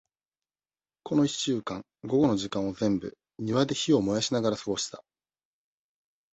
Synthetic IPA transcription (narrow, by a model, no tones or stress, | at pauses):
kʰo̞no̞iɕɨːkãŋ | ɡo̞ɡo̞no̞ʑikãɰ̃ozẽ̞mbɯ̰ | ɲ̟iβad̪e̞çio̞mo̞jaɕinaɡaɾasɨɡo̞ɕi̥t̪a